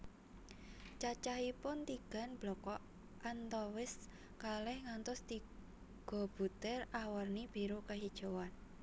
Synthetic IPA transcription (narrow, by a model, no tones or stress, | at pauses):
t͡ʃat͡ʃaɦipʊnt̪iɡ̥a̤nb̥lɔkɔ | ʔant̪ɔwɪs | kalɛhŋant̪ɔst̪i | ɡ̥ɔ̤b̥ṳt̪ɛrawərnib̥iɾukaɦid̥ʒ̥o̤wan